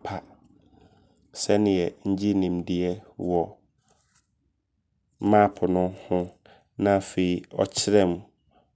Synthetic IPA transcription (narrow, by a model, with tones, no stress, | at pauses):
pʰa˦ | sɛ˦nɪ̃˨jɛ˨ɲ̩˦d͡ʑi˦nĩ˨mdɪ˨ɛ˦wɔ˨˦ | mã˦pʰʊ˨nʊ̃˦hʊ̃˦ | nã˦˨fe˨i˦ɔ˨t͡ɕʰɪ˦ɾɛ̃˦˨m